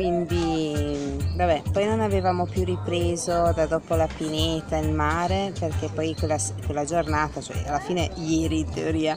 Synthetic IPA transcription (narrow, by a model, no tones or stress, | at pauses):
kwind̪i | vabɛpɔjnonavevaːmopjuripɾeːzod̪ad̪ɔːpolapinet̪ːaelmaːɾeperkepɔjkwelːaskwelːad͡ʒornaːt̪at͡ʃoɛ̰alːafiːnejɛːɾint̪eoɾiːa